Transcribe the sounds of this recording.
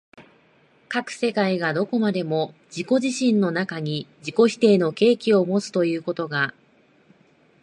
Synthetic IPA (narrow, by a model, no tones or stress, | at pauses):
kakɯ̟̥se̞kaiɡad̪o̞ko̞mad̪e̞mo̞d͡ʑiko̞ʑiɕĩnːo̞nakaɲ̟id͡ʑiko̞çi̥t̪e̞ːno̞ke̞ːkʲio̞mo̞t͡sɨ̥t̪o̞jɯ̟ːko̞t̪o̞ɡa